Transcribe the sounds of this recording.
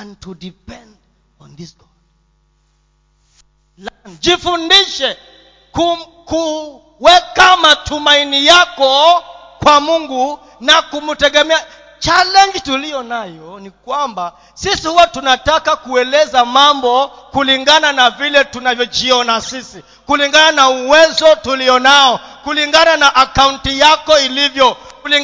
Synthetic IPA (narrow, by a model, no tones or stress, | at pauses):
antudipɛnd | ɔ̃nðisɡɔ | lnd͡ʒifundiʃɛ | ku | ku | wɛkamatʰumainijakɔ | kwamuŋɡu | nakumutɛɠɛmɛa | t͡ʃalɛnd͡ʒitulijɔnajɔnikwamba | sisihuwatunatakakuɛlɛzamambɔkuliŋɡananavilɛtunavjɔd͡ʒiɔnasisi | kuliŋɡananauwɛzɔtuliɔnaɔkuliŋɡananaʔakauntijakɔilivjɔli